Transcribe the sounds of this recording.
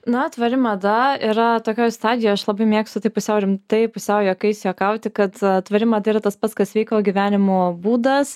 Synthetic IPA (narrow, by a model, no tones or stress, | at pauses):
nɐt̪ʋɐɾʲɪmɐd̪ɐiːɾɐt̪oːkʲoːjst̪ɑːd̪ʲɪjoːɐʃlˠɐbɐɪmʲeːkst̪ʊt̪ɐɪpʊsʲɛʊɾʲɪmt̪ɐɪpʊsʲɛʊjokɐɪsʲjoːkɐʊt̪ʲɪkɐt̪t̪ʋɐɾʲɪmɐd̪ɐiɾɐt̪ɐspɐt̪skɐsʋʲɛɪkoːɡʲiʋʲæːnʲɪmobuːd̪ɐs